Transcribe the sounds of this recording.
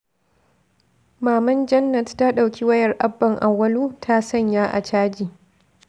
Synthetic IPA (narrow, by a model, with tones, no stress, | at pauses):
maː˨mɐ˦nd͡ʒɐ˦nːɐ˨tta˦ɗa˨wkʲʰiː˦wɐ˦jɐ˨rʔa˦bːɐ˨ŋʔa˨wːɐ˦luː˦tʰa˦sɐ˦˨ɲjaː˦ʔa̰˨t͡ʃaː˦d͡ʒiː˨